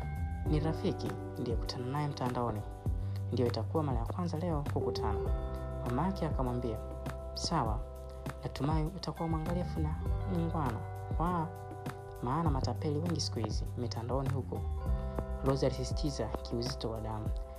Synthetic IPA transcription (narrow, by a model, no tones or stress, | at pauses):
niɾafikḭ | ndijɔku̥tʰananajɛm̩tandaɔni | ndijɔitakuwamaɾajakwanzalɛɔkukutʰa̰namamakiakamwambia | sawa̰ | natumaiutakuwamwaŋɡalɛfunamiŋɡwana̰ | wa | maːnamatapɛliwɛŋɡisi̥kuhizḭmitandaɔnihukɔ | lɔzialisisi̥tʰizakʰiuzitɔwa̰ɗamu